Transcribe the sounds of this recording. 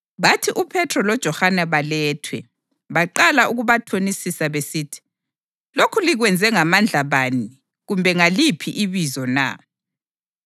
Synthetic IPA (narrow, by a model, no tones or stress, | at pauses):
βatʰiʔupʰɛtʰrɔlɔd̥ʒ̥ʱɔhanɛβalɛːtʰwɛ | βaǃalaʔuɣuβatʰonisisaβesitʰi̥ | lokʰuliɣwɛnd͡zʱɛŋamand͡ɮʱaβani | ɣumbʱɛŋalipʰiʔiβizɔna̰